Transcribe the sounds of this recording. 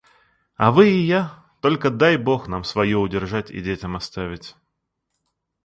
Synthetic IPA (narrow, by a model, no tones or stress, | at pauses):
ɐvɨɪja | t̪o̞lʲkəd̪ajbo̞xnamsvɐjoʊdʲɪrʐatʲɪ̰dʲetʲɪmɐst̪avʲɪtʲ